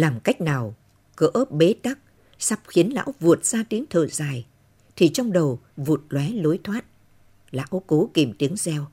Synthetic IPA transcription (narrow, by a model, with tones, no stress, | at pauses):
laː˨˩mka˦˥jk̟̚naː˨˩w | kəː˧˦ʔə˦˥p̚ɓe˨˦t̪a˦˥k̚ | sa˦˥p̚xi˨˦ənla̰ː˧˥wvu˨˩ət̚z̥aː˧t̪i˨˦əŋt̪ʰəː˨˩zaː˨˩j | t̪ʰi˨˩t͡ɕɔ˧wŋ͡mɗə˨˩wvu˨˩t̚lwɛ˨˦lo˨˦jt̪ʰwaː˦˥t̚ | la̰ː˧˥wko˨˦ki˨˩əmt̪i˨˦əŋzɛ˧w